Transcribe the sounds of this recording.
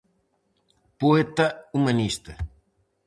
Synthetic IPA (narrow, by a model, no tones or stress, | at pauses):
poet̪ɐumɐnist̪ɐ